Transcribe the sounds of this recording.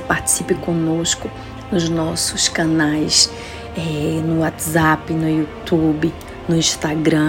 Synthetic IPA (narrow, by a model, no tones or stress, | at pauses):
paɾt͡ʃi̥sipɪkõnoskʊ | nʊznɔsʊskɐnajs | ɛnʊat̪zapɪnʊjut̪ubɪ | nʊĩʃt̪aɡɾɐ̃